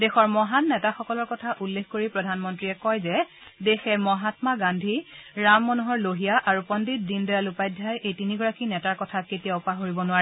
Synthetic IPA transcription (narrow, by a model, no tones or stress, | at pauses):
dɛxɔɹmɔɦanːɛtaxɔkɔlɔɹkɔtʰaʔulːexkoɹipɹɔdʱanmɔntɹiɛkɔjzɛ | dexɛmɔɦatmaɡandʱiɹamːɔnuɦɔɹloɦijaʔaɹupɔndit̚dindɔjalupajdʱːajʔejtiniɡɔɹakinɛtaɹkɔtʰaketijaʊpaɦoɹibɔnʊaɹɛ